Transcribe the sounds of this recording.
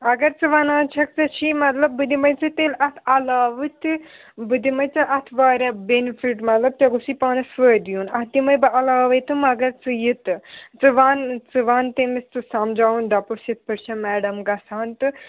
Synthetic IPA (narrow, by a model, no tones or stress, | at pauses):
ɐɡɐɾt͡sɨʋanaːt͡ʃʰɐk̚t͡sɐt͡ʃʰimɐt̪lɐb̚ːɨd̪imɐjt͡sɨt̪elɐt̪ʰɐlaːʋɨt̪ɨ | bɨd̪imɐjt͡sɨʔɐt̪ʰʋaːɾʲɐbenifiʈmɐt̪lɐb̚t̪ɐɡusipaːnɐsʋəːd̪junɐtt̪imɐjbɨʔɐlaːʋɐjt̪ɨmɐɡɐɾt͡sɨjit̪ɨt͡sɨʋaːnt͡sɨʋaːnt̪emist͡sɨsɐmd͡ʒaːund̪ɐpɐsjɐt̪̚pɐʈt͡ʃʰɐmɛːɖɐmɡɐsaːnt̪ɨ